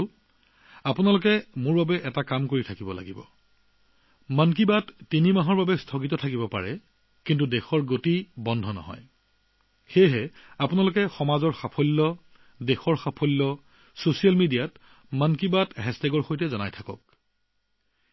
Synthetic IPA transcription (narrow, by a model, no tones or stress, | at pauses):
l | apʊnalʊkɛmʊɹbabɛʔɛtakamkoɹitʰakibɔla̰ɡibɔ̰ | mank̬ibatːinimaɦɔɹbabɛstʰɔkitɔtʰakibɔpa̰ɹɛ | kintudexɔɹɡotibɔndʱɔnɔ̰ɦɔ̰j | xejɦɛapʊnalʊkɛxɔmazɔɹxapʰɔlːɔ | dexɔɹxapʰɔlːɔ | sosijalmidijat | mənkibatɦɛsteɡɔɹxojtɛzɔnajtʰakɔ̰k̚